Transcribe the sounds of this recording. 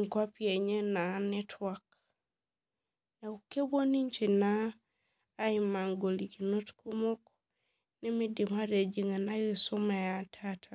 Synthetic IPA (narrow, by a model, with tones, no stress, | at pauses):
ŋkwa˦pie˨ɲe˦na˨ni˦tʰwak | na˨u˨ke˦bo˦ni˦ɲt͡ʃi˨naː˦ | i˨ma˨ŋɡo˨li˨ki˨no˦tku˦mo˦k | ni˦mi˦di˨ma˦ɾe˨d͡ʒi˨ŋa˨na˦ɡi˨su˦me˨ja˨tʰatʰa˨